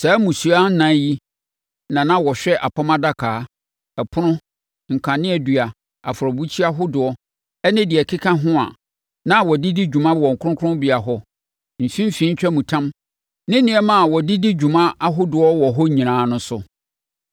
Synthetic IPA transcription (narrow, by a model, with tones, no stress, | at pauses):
sɛ˨˦mũ˨su˨a˦n̩˦nã˨˦ji˦ | nã˨nã˦wɔ˨ɕᶣɛ˦ʔa˨pʰa˦mã˦da˦kʰaː˨˦ | ɛ˨pʰʊ˦nʊ̃˦ | ŋ̩˨kʰã˨nɪ̃˦ɛ˨dɥa˨ | a̰˨fʊ˨ɾɔ˨bu˦t͡ɕʰi˦a˦ɦʊ˦dʊ˨ɔ˦ | ɛ˦nɪ̃˦dɪ˨ɛ˨kʰɪ˦kʰã˦ɦʊ̃˦a̰˨ | nã˦wɔ˨dɪ˦di˦d͡ʑᶣu˨mã˦wɔ̃˨ŋ̩˨kʰʊ˦ʊ̃˦kʰʊ˦ʊ̃˦mbi˨a˨ɦɔ˦ | m̩˨fĩ˦m˦fĩ˦ɲ̩˦t͡ɕᶣɛ˦mũ˨tʰã˦m | nɪ̃˦nɪ̃˨˦ɛ˦mã˨a˨wɔ˨dɪ˦di˦d͡ʑᶣu˨mã˦ʔa˦ɦʊ˦dʊ˨ɔ˦wɔ˨ɦɔ˦ɲĩ˨nãː˨˦nʊ̃˦sʊ˨